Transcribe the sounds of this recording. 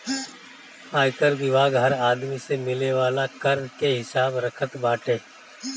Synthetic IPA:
aːjkəɾʋɪbaːɡɦɐɾaːd̪misemɪleʋaːlakɐɾnkeɦɪsaːbɾɐkʰət̪baːʈẽː

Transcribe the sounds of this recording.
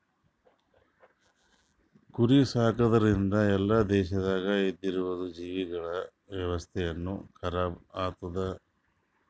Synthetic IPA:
kuɾisaːkɐd̪ɐɾind̪ɐɛlːad̪ɛːʃɐd̪aːɡɐed̪ːiɾuʋɐd̪ud͡ʒiːʋiɡɐɭɐ | ʋjɐʋɐst̪ʰɛjɐnːukʰɐɾaːbaːt̪ɐd̪ɐ

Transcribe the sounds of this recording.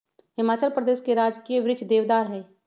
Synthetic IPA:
hɪmaːt͡ʃəlpɾəd̪eːʃkeɾaːd͡ʒkieʋɾɪt͡ʃd̪eːʋd̪aːɾɦɛː

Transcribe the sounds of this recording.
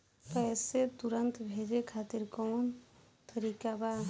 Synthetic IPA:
pɛːset̪ʊɾənt̪bʱeːd͡ʒekʰaːt̪ɪɾkɔːn | t̪əɾiːkabad̪

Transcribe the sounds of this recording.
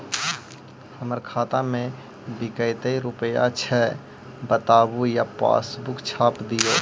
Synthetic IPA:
həməɾkʰaːt̪amẽ | bɪkəɪt̪əiɾʊpəja̰t͡ʃʰɛ | bət̪aːbujapa̰ːsbʊkt͡ʃʰaːpd̪ijo

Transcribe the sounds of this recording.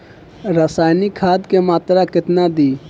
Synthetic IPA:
ɾasaːjnikʰaːd̪kemaːt̪ɾakɪt̪nad̪iː

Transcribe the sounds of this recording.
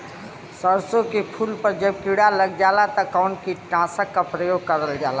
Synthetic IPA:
səɾsokepʰulpəɾd͡ʒəb̚kiɽaləɡd͡ʒalat̪əkawnkiʈãsəkːapɾəjoɡ̚kəɾəld͡ʒala

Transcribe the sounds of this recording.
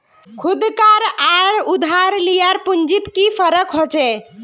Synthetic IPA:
kʰud̪kaɾaɾud̪ʱaɾlijaɾpund͡ʒit̪kipʰəɾəkɦot͡ʃɛ

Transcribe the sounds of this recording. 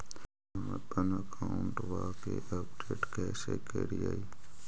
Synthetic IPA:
əmet̪ənəkʰaʊɳʈʋaːkeːʔəpɖeːʈkɛːsekeːɽiaːiː

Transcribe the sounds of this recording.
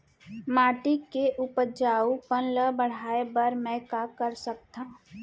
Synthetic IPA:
maːʈɪkːeʔʊpəd͡ʒaːupənləbəɽ̤aːebəɾmɛ̃kakəɾsək̚t̪ãː

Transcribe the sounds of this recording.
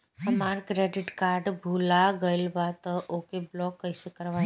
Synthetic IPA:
ɦəmaɾkɾeɖɪʈkaɾɖbʱulaɡəjlʋat̪ɔʔokeblɔkːəjsekəɾʋa

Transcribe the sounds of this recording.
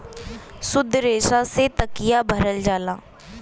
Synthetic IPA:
sʊd̪ʱːɾeːʃaset̪əkɪjabʱəɾəld͡ʒaːlaː

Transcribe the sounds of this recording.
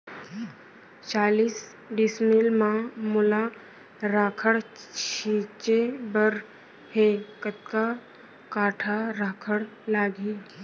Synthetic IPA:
t͡ʃaːliːs | ɖismilmãmʊla | ɾaːkʰəɽt͡ʃʰiːt͡ʃebəɾ | hekət̪̚ka | kaːʈʰaɾaːkʰəɽlaːɡiː

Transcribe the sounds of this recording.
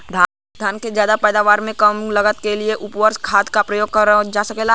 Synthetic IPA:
d̪ʱa | d̪ʱaːnkezjaːd̪apɛːd̪aːʋaːɾmẽkɐmlɐɡət̪kelieʔʊpʋəɾskʰaːd̪kapɾɐjoːɡ̚kəɾd͡ʒaːsɐkeːla

